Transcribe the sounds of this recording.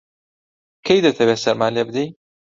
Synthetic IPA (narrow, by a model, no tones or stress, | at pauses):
kʰejd̪ɐt̪ʰɐweːsɐɾmaːlebɨd̪ej